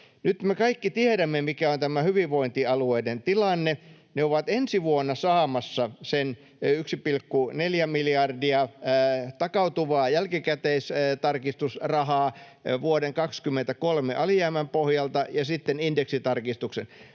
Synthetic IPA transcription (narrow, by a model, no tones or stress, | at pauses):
nyt̪mekɑikːit̪ieɾæmːemikæont̪æmæhyʋiʋʋoint̪iɑlueident̪ilɑnːe | neoʋɑt̪ensiʋuonːɑsɑːmɑsːɑsen | yksipilkːuneljæmiljɑrdiɑ | t̪ɑkɑut̪uʋɑːjælkikæt̪eist̪ɑrkist̪usrɑhɑː | ʋuodeŋkɑkskymːent̪ækolmeʔɑlijæːmæmpohjɑlt̪ɑjɑsit̪ːenindeksit̪ɑrkist̪uksen